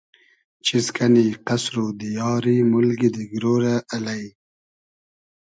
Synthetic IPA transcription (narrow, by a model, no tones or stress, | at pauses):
t͡ʃiskaniqasɾod̪əjɑːɾimʊlɡid̪əɡɾoːɾaːlaj